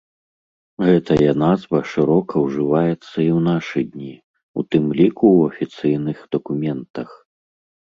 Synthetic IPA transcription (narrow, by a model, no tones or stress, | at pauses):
ɣɛt̪ɐjɐnazvɐʂɨɾɔkʰɐwʐɨvajɛt̪sːɐiwn̪aʂɨd̪ʲnʲi | ṵt̪ɨmlʲikuwɐfʲit̪sɨjnɨxd̪̥ɐkumʲɛnt̪ɐx